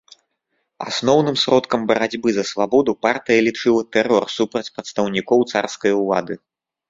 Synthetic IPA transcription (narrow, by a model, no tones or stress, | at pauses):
a̰snɔwnɨmsɾɔt̪kɐmbɐɾad͡zʲbɨzɐsvabɔd̪upart̪ɨjɐlʲit͡ʂɨlˠɐt̪ɛrɔrsupɾɐt͡sʲpɾɐt̪st̪ɐwnʲikɔwt̪sarskɐjɐulˠa̰d̪ɨ